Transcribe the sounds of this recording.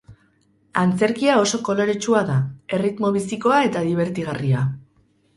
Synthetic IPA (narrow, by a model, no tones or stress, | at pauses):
ant͡se̞ɾkiao̞so̞ko̞lo̞ɾet͡ʃuaðae̞rit̪mo̞β̞isiko̞ae̞t̪aðiβe̞ɾt̪iɣ̞aria